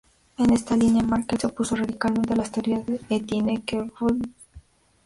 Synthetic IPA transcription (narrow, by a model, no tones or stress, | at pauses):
enest̪aliɲjamaɾket̪opusoraðikalment̪elaist̪eoɾjaðeet̪jenekeβo